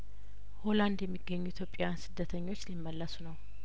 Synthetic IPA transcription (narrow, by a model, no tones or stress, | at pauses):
ho̞land̪jɛmːiɡːəɲːuit̪ʰjo̞pʼjansɨd̪ːət̪ʰəɲːo̞t͡ʃːlimːəlːəsunəw